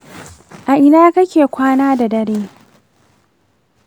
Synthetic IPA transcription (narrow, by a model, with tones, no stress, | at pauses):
ʔa˨ʔɪ˨naː˦kɐ˦kʲeː˨kʷaː˦naː˦da˨dɐ˦ɽeː˦